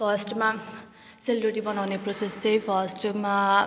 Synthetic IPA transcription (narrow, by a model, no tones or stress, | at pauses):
pʰʌsʈma | selbɾeʈibʌnawneprosest͡sʌjpʰʌsʈma